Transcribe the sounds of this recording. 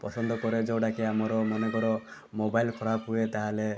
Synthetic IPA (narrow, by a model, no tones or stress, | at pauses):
pɔsɔnd̪ʱɔkɔɾed͡ʒowɽakiamɔɾɔmɔnɔkɔɾɔ | mobajlpʰɔɾapɦuet̪aɦale